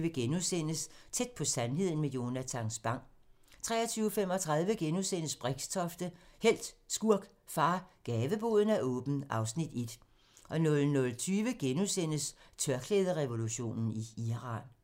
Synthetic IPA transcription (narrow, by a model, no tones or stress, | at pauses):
ʋəɡ̥enusen̰əst͡sʰed̥̚pʰɒ̽sænɦe̝ð̞̰ˠn̩mejo̝næt͡sʰɑ̈ŋsb̥ɑ̈ŋ̰ | t͡sʰʁɛ̰ːɐt͡sʰyːʊfem̰ɒ̽t͡sʰʁɑ̈ð̞ˠʋəɡ̥enusen̰əsb̥ʁeɡ̥st͡sʰɒ̽fd̥əhel̰d̥sɡ̥uɐ̰ɡ̥ | fɑ̈ːɡ̥ɛːʋəb̥o̝ð̞ˠn̩æʔɔ̽ːb̥n̩ʔɑ̈ʊsnid̥e̝d̥ | ʔɒ̽nɔ̽lnɔ̽lt͡sʰyːʋəɡ̥enusen̰əst͡sʰɶɐɡ̥ʰleːð̞ˠəʁɛʋo̝luɕo̝̰ːnn̩iiʁɑ̰̈ːn